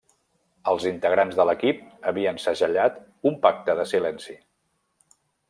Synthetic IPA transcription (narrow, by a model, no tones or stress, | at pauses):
əlˠzint̪əɣ̞ɾanzðələkip̚əβiənsəʒəʎat̪ | umpak̚t̪əðəsilɛnsi